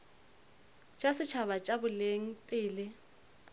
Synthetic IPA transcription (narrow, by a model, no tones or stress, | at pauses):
t͡ʃʼasɪt͡ʃʰaβat͡ʃʼabʊleŋ̩pʼɪːlɪ